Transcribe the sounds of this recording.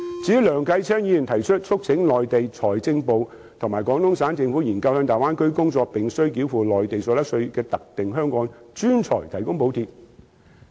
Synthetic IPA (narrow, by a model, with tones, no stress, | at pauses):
t͡siː˨˥wlœː˨˩ŋkɐ˧jt͡sʰɛː˥ŋjiː˧y˨˩nt̪ʰɐ˨˩jt͡ʃʰɵ˥t̚t͡sʰʊ˥k̚t͡sʰɪ˨˥ŋlɔː˨jt̪e˨jt͡sʰɔː˨˩jt͡sɪ˧ŋpo˨w | t̪ʰʊ˨ŋmaː˨˩jkɔː˨˥ŋt̪ʊ˥ŋsaː˨˥nt͡sɪ˧ŋfuː˨˥jiː˨˩nkɐ˧whœ˧ŋt̪aː˨jwaː˥nkɵ˥ɥkʊ˥ŋt͡sɔː˧k̚pɪ˨ŋsɵ˥ɥk̬iː˨˥wfuː˨lɔː˨jt̪e˨jsɔː˨˧˥ɐ˥k̚sɵ˧ɥkɛː˧t̪ɐ˨k̚t̪ɪ˨ŋɦœː˥ŋkɔː˨˥ŋt͡ʃyː˥nt͡sʰɔ̰ː˨˩jt̪ʰɐ˨˩jkʊ˥ŋpo˨˧wt̪ʰiː˧p̚